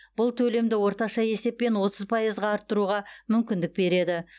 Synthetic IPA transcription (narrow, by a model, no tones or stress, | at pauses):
b̥ʊlˠt̪ʰɵle̞md̪ɪwo̞ɾt̪ɑʃɑje̞se̞pːe̞nwo̞t̪əzpʰɑjəzʁɑɑɾt̪ːəɾuʁɑmʏmkʲɪnd̪ɪk̚be̞ɾe̞d̪ɪ